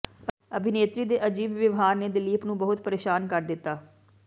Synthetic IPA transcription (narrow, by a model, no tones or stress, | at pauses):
əbʱɪneːt̪ɾiːd̪eːʔəd͡ʒiːbʋjəʋɦaːɾneːd̪ɪliːəpnũːbəɦʊt̪pəɾeːʃaːnkəɾd̪ɪt̪ːaː